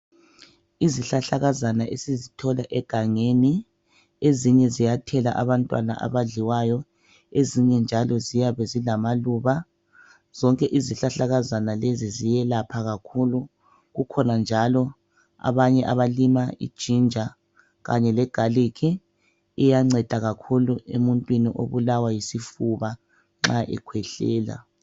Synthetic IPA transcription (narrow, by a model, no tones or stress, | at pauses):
iziɬaɬaɣazanaʔesizitʰɔlaʔɛɡ̥ʱaŋeni | eziɲɛzijatʰɛla̰ʔaβantʼwa̰na̰ʔa̰βaɮiwajɔ | eziɲɛnd͡ʒʱalɔzijaβɛzilamaluːβa | z̥ɔŋkʼɛʔiziɬaɬaɣazanalezizijɛlapʰaɣakʰulu | ɣukʰɔnand͡ʒʱalɔ | a̰βaɲɛʔaβalimaḭd̥ʒ̥ʱind͡ʒʱa | ɣaɲɛlɛɡ̥ʱalikʰi | ɛjaŋ͡ǁɛd̥ʱaɣakʰuluḛmuntʼwiniʔo̰βulawajisifuβa | ŋ͡ǁaʔɛ̰kʰwɛɬɛːla̰